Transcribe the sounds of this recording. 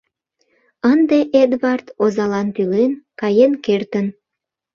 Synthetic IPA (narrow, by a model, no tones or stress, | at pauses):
ənd̪eʔed̪βɑrt̪ozɑlɑnt̪ylenkɑjenkert̪ən